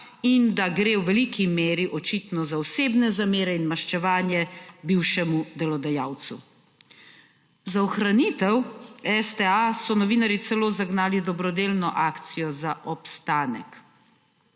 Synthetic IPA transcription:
ind̪aɡɾewʋɛlikʰimeːɾiʔɔt͡ʃit̪nɔzaɔseːbnɛzameːɾɛinmaʃt͡ʃɛʋaːnjɛbiwʃɛmud̪ɛlɔd̪ajaːwt̪su | zaɔxɾaniːt̪ɛwɛst̪ɛasɔnɔʋiːnaɾjit̪sɛloːzaɡnaːlid̪ɔbɾɔd̪eːlnɔʔaːkt̪sijɔzaʔɔpst̪aːnɛ̰k

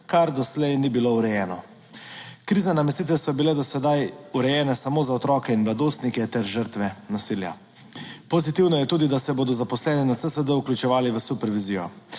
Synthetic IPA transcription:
kaɾd̪ɔslɛjnibilouɾɛjɛːnɔ | kɾiːzanamɛst̪iːt̪ʋɛsɔbilɛd̪ɔsɛd̪ajuɾɛjɛːnɛsamoːzaɔt̪ɾɔːkɛinmlad̪oːst̪nikɛt̪ɛɾʒəɾt̪ʋɛnasilja̰ | pozit̪iwnɔjɛt̪uːd̪id̪asɛboːd̪ɔzapɔslɛːnɛnat̪səsəd̪əukljut͡ʃɛʋaːliʋəsupɛɾʋizijɔ̰

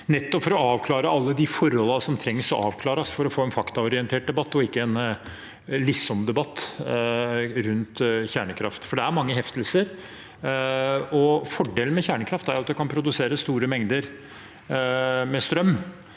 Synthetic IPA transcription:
nɛt̪ːɔpfɔɾɔɑːʋkʰlɑːɾəɑlːəd̪ɪfɔɾːɔlɑsɔmt̪ʰɾɛŋːsɔʔɑ̰ːʋkʰlɑːɾɑsfɔɾɔfoːɛnfɑkt̪ɑɔɾɪɛnt̪ʰeːʈ̚d̪ɛbɑt̪ːɔɪkːəɛn | lɪsɔmd̪ɛbɑt̪ː | ɾʉnt̪çæːɳəkʰɾɑ̰ft̪fɔɖɛæɾmɑŋːəɦɛft̪əlsəɾ | ɔfɔɖeːlənmɛçæːɳəkʰɾɑft̪æɾjʊɑt̪̚d̪ɛkʰɑnpʰɾʊd̪ʉseːɾəst̪uːɾəmɛŋd̪əɾ | mɛst̪ɾœmː

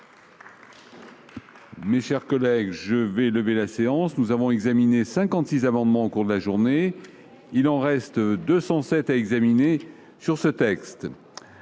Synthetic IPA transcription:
meʃɛʁkɔlɛɡʒəvɛləvelaseɑ̃snuzavɔ̃ɛɡzaminesɛ̃kɑ̃t̪sizamɑ̃d̪mɑ̃okuʁd̪əlaʒuʁne | ilɑ̃ʁɛst̪d̪øsɑ̃sɛt̪aɛɡzamine | syʁsət̪ɛkst̪

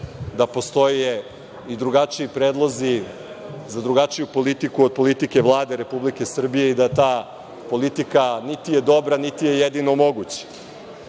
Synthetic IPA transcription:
d̪apo̞st̪o̞e | id̪ɾuɡat͡ʃiipɾeːd̪lˠozi | zad̪ɾuɡat͡ʃijupo̞lit̪ikuod̪̚po̞lit̪ike̞ʋlˠaːd̪eɾe̞publike̞sr̩bije̞id̪aet̪aː | po̞lit̪ikanit̪ije̞d̪o̞bɾanit̪ije̞jed̪ino̞mo̞ɡut͡ɕḁ

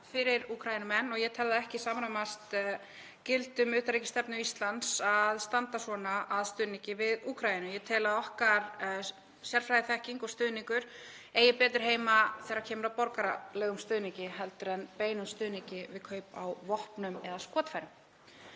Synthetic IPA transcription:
fɪɾɪɾuːkʰɾajɪnʏmɛnːɔɣjɛt̪ʰɛlðaɛhcɪsaːmɾamast̪ | cɪlt̪ʏmʏːt̪aɾicɪ̥st̪ɛpnʏist̪lant̪saðst̪ant̪asvɔːnaːðst̪ʏːðniŋcɪvɪðuːkʰɾajɪnʏjɛt̪ʰɛːlaðɔhkaɾ | sjɛɾ̥fɾajðɪθɛhciŋkɔst̪ʏːðniŋkʏɾ̥ | ejɪpɛːt̪ʏɾ̥ɦeːjmaθɛːɾaɾcʰɛːmʏɾapɔɾkaɾalɛːɣʏmst̪ʏːðniŋcɪɦɛlt̪ʏɾɛnpeːjnʏst̪ʏːðniŋcɪvɪðkʰœːɥpa̰wvɔhpnʏmɛðaskɔːt̪fajɾʏm

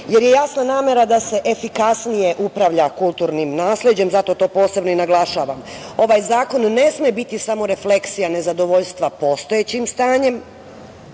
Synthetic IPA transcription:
je̞ɾje̞jasnanaːme̞ɾad̪ase̞ʔefikasnije̞ʔupɾaʋʎakulˠt̪uɾnimnaːsled͡ʑe̞mzat̪o̞t̪o̞ːpo̞ːse̞bnoinaɡlˠaʃaːʋamo̞ʋajzaːko̞nːe̞smjebit̪isamo̞ɾe̞fle̞ksijane̞zad̪o̞ʋoʎst̪ʋapo̞st̪ojet͡ɕimst̪aːɲe̞m

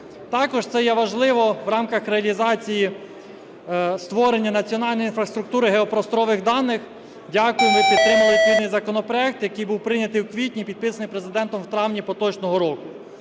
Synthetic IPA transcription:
t̪ɑkɔʒt̪sɛjɛʋɐʒlˠɪʋɔʋɾɑmkɐxɾeɐlʲizɑt͡sʲiji | st̪ʋɔɾenʲːɐnɐt͡sʲiɔnɑlʲnɔjinfɾɐst̪ɾʊk̚t̪uɾɪɦeɔpɾɔst̪ɔɾɔʋɪɣd̪ɑnːɪx | dʲɑkʊjemɪpʲit̪ːɾɪmɪlˠɪt̪ʲɪnɪjzɐkɔnɔpɾɔɛk̚t̪jɐkɪjbuwpɾɪnʲɐt̪ɪjwkʋʲitʲnʲipʲid̪̚pɪsɐnɪjpɾe̞zɪd̪ɛnt̪ɔmwt̪ɾɑwnʲipɔt̪ɔt͡ʃnɔɦɔɾɔkʊ

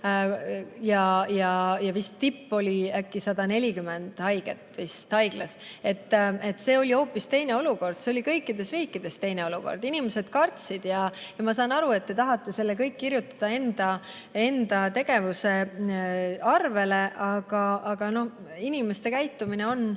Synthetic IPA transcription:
jɑjɑjɑvist̪ːipːo̞lʲiækːisɑd̪̥ɑne̞lʲikyme̞nd̪̥hɑjɡ̥e̞̰t̪ːˑvist̪hɑjɡ̥lɑse̞t̪ˑːe̞t̪ːˑse̞ːo̞lʲio̞ːpːist̪e̞jne̞o̞luko̞rd̪̥seo̞lʲikɤjkːˑid̪̥e̞sriːkːˑid̪̥e̞st̪e̞jne̞o̞luko̞̰rd̪̥inime̞se̞d̪̥kɑrt̪sid̪̥jɑjɑmɑs̬ɑːnɑɾue̞t̪̚tːe̞t̪ɑɦɑt̪ːˑe̞se̞lːekɤjkːirjut̪ːˑɑ̥d̪̥ɑe̞nd̪̥ɑ | e̞nd̪̥ɑt̪e̞ɡ̥e̞vuse̞ | ɑrve̞le̞ʔɑɡ̥ɑʔɑɡ̥ɑno̞h | inime̞st̪e̞kæjt̪ːˑumine̞o̞n

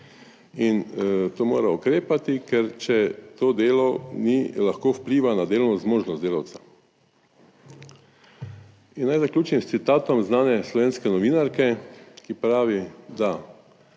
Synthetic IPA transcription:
int̪oːmo̰ːɾaukɾeːpat̪ikɛɾt͡ʃɛt̪oːd̪eːlɔnilaxkoːwpliːʋanad̪eːlɔwnɔzmoːʒnɔst̪d̪eːlawt̪sḁ | inːajzakluːt͡ʃimst̪sit̪aːt̪ɔmznaːnɛslɔʋeːnskɛnɔʋiːnaɾkɛkipɾaːʋid̪a

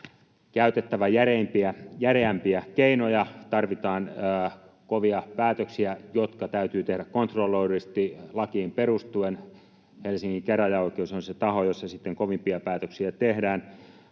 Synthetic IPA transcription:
kæyt̪et̪ːæʋæjærempiæjæreæmpiækeinojɑt̪ɑrʋit̪ɑːnː | koʋiɑpæːt̪øksiæjot̪kɑt̪æyt̪yːt̪ehɾækkont̪rolːoirist̪ilɑkiːmperust̪uen | helsiŋːiŋkeræjɑoˑikeusonset̪ɑhojosːɑsit̪ːeŋkoʋimpiɑpæːt̪øksiæt̪ehdæːn

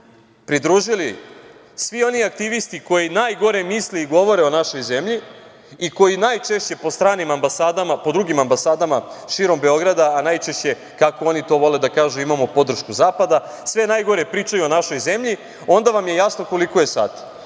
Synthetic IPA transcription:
pɾid̪ɾuːʒili | sʋio̞niak̚t̪iʋist̪iko̞jinaːjɡo̞ɾe̞misleiɡo̞ʋo̞ɾe̞o̞naʃo̞jze̞mʎi | iko̞jinajt͡ʃeʃt͡ɕe̞po̞st̪ɾaːnimambasaːd̪amapo̞d̪ɾuɡimambasaːd̪amaʃiːɾo̞mbe̞o̞ɡɾad̪aːnajt͡ʃe̞ʃt͡ɕe̞ | kako̞o̞nit̪o̞ːʋo̞le̞d̪akaːʒuimamo̞po̞d̪r̩ʃkuzaːpad̪asʋe̞naːjɡo̞ɾe̞pɾiːt͡ʃajuo̞naʃo̞jze̞mʎi | o̞nd̪aʋamje̞jasno̞ko̞likoje̞sa̰ːt̪

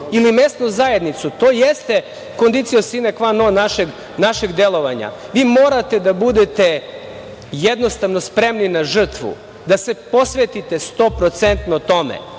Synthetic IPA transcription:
ilime̞st̪nuzae̞d̪nit̪sut̪o̞ːjest̪e̞ | ko̞nd̪it̪sijosinekʋanonaʃeɡ | naʃeɡd̪e̞lˠo̞ʋaɲa̰ʋiːmo̞ːɾat̪e̞d̪abud̪et̪e̞ | jed̪no̞st̪aʋno̞spɾe̞mninaʒr̩t̪ʋṵ | d̪ase̞po̞sʋet̪it̪est̪o̞ːpɾo̞t̪sent̪not̪o̞mḛ

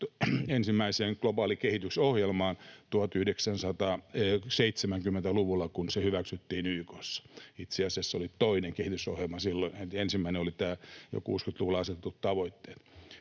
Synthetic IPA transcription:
ensimːæiseːŋklobɑːlikehit̪ysohjelmɑːnt̪uhɑt̪yhdeksænsɑt̪ɑːseit̪semæŋkymːent̪æluʋulːɑkunsehyʋæksyt̪ːiːnyikosːɑ̥it̪seɑsiɑsːolit̪oineŋkehit̪yso̰hjelmɑsilːonetensimːæineolit̪æːjo̰kṵːskyt̪luʋulɑɑset̪et̪ut̪t̪ɑʋoit̪ːe̥ːt̪

